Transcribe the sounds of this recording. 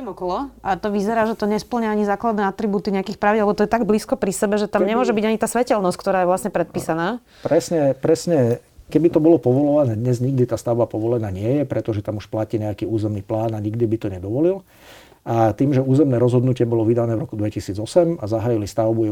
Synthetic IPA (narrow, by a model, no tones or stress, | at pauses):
ɛmɔkɔlɔʔat̪ɔʋizɛɾaːʒɛt̪ɔɲɛspl̩ɲaaɲizaːklad̪nɛːat̪ɾibuːt̪iɲɛakixpɾaʋɟlɛbɔt̪ɔjɛt̪aɡbliːskɔpɾisɛbɛʒɛt̪ammɲɛmʊɔʒɛbiɟaɲit̪aːsʋɛcɛlnɔsckt̪ɔɾaːjɛʋlasɲɛpɾɛt̪̚piːsanaː | pɾɛsɲɛpɾɛsɲɛ | kɛbit̪ɔbɔlɔpɔʋɔlɔʋanɛːd̪ɲɛzɲiɡ̚d̪it̪aːst̪aʊbapɔʋɔlɛnaːɲɪɛjɛpɾɛt̪ɔʒɛt̪amuʃplaciːɲɛakiːuːzɛmniːplaːnaɲiɡd̪ibit̪ɔɲɛd̪ɔʋɔlil | ʔat̪iːmʒɛuːzɛmnɛːɾɔzɦɔd̪nucɪɛbɔlɔʋid̪anɛːʋɾɔkud̪ʋɛcisiːd͡zɔsɛmazaɦajilist̪aʊbu